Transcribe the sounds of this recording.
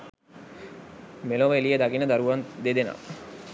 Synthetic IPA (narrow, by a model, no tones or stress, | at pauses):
meloʋəelijed̪aɡinəd̪aɾuʋand̪ed̪ena̰ʋ